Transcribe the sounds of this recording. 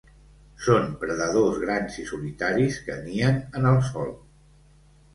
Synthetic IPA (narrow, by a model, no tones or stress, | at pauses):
sonpɾəðəðozɣɾanzisulit̪aɾiskəniənənəlˠsɔlˠ